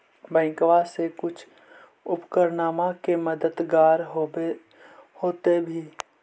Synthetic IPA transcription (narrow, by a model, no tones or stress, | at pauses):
bɛ̃ːkʋasekʊt͡ʃʰ | ʊpkəɾnaːmakeməd̪əd̪ɡaːɾɦ | hoːt̪ebʱiː